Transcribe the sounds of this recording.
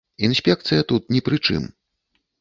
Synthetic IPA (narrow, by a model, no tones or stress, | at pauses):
insʲpʲɛk̚t̪sɨjɐt̪ut̪nʲɛpɾɨt͡ʂɨ̰m